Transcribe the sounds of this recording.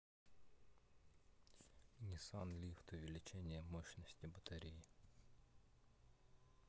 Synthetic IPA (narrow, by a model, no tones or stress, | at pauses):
nʲisɑnlʲiwt̪ʊʋʲɪlʲɪt͡ʃɛnʲɪjɐmɔɕnɐsʲtʲibɐt̪ɐɾʲiji